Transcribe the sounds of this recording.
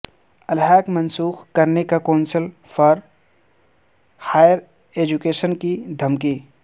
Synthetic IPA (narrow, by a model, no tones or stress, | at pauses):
ɐlɦɛːkmɐ̃nsuːxkɐɾnekakaːnsəl | fʰɐɾ | haːjəɾ | eːd͡ʒukeːʃənkid̪ʱɐmki